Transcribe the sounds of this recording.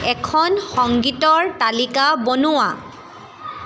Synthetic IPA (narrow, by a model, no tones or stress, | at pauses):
ɛkʰɔnxɔŋɡitɔɹtalikabonʊwa̰